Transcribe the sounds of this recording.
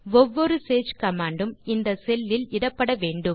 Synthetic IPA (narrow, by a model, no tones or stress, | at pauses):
ʋɔʋːɔɾɯseːt͡ʃkɐmaːɳɖɯmɪnd̪ɐsɛlːɪlɪɽɐpːɐɽɐʋeːɳɖɯm